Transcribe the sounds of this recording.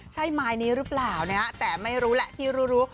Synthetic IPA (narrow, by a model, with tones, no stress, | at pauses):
t͡ɕʰa˥˩jmaː˧jniː˦˥ɾɯː˦˥plaː˨˩wnaː˦˥t̪ɛː˨˩ma˥˩jɾuː˦˥lɛ˨˩ʔt̪ʰiː˥˩ɾuː˦˥ɾuː˦˥